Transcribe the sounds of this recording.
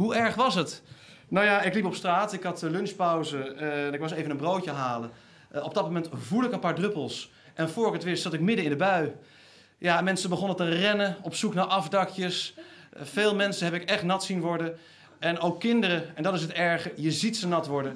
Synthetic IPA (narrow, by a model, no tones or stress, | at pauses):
ɦuɛɹχʋɑsɦət | nawjaɪklipɔpstraːtɪkɦɑtəlɵnspɔwzənɪkʋɑs̬ejvənəmbrowtəɦaːlə | ɔb̚dɑt̚momɛntvulˠɪkənpaːɹdrɵpəlˠs | ʔɛnv̥ʊːɹɪkətʋɪstsɑtɪkmɪdəɪ̃ndəbœɥ | jamɛnsəbəχɔnətərɛnəɔpsuknaːɹʔɑfdɑkjəs | feːlˠmɛnsənɦɛpɪkɛχtnɑtsinʋɔɹdə | ɛnowkːɪndərəɛndɑtɪs̬ətɛɹχəjəzitsənɑtʋɔɹdə